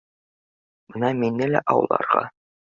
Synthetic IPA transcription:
b̥ɤnɑminːɘlæ̰ʔɑwɤ̰̆lˠːɑ̰ɾʁɑ̰

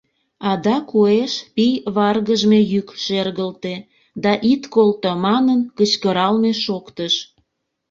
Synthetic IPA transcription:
ɑd̪ɑkueʃpijβɑrɣəʒmejykʃerɣəlt̪e | d̪ɑʔit̪kolt̪omɑnənkət͡ɕkəɾɑlmeʃokt̪əʃ

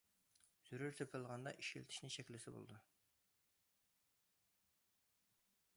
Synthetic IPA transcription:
z̥yɾyɾt̪ʰøpʰɪlˠʁɑnd̪ɑ̰ʔiʃkʲilɪt̪ʰɪ̥ʃnɪŋʃɛkʲlɪsɪbo̰lˠd̪u

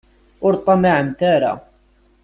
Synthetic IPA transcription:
ʔʊɾt̪ˤɑmaʕmt̪aːɾˤa̰

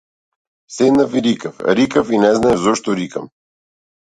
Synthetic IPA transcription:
sɛd̪nɐfiɾikəfɾikəfinɛznaɛzɔʃt̪oɾikəm

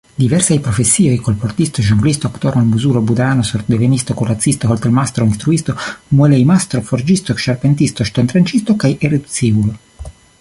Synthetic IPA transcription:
d̪ivɛrsajpɾofesːiːojkolport̪ist̪oʒumblist̪oakt̪oːɾalmuzuːɾobud̪ɾaːnosoɾd̪evenist̪okurat̪sːist̪oɦolt̪elmast̪ɾoinst̪ɾuist̪omuɛlejmast̪ɾoford͡ʒist̪oekʃarpent̪̬ist̪oʃt̪ant̪ɾant͡ʃist̪okajʔered̪ut̪siːvulo

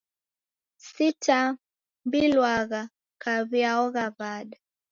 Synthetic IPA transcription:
sitʰa | mbilwaɣa | kaβiaɔɣavaɗa

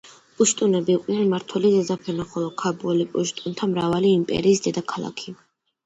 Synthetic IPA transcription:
pʼuʃt̪ʼunɛbiːqʼnɛnmaɾt̪ʰwɛlizɛzapʰɛɾnaχɔlˠɔkʰabulipʼuʃt̪ʼunt̪ʰamɾavaliːmpʼɛ̰ɾiːsd̪ɛd̪akʰalˠa̰kʰi

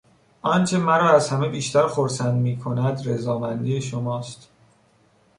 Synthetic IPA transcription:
ʔɒnt͡ʃʰe̞mæɾɒːæzhæme̞biːʃt̪æɾxoɾsænd̪miːkʰo̞næd̪ɾezɒːmænd̪ijeʃomɒːst̪

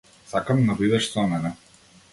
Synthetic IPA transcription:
sakamnabid̪ɛʃsɔmɛnɛ

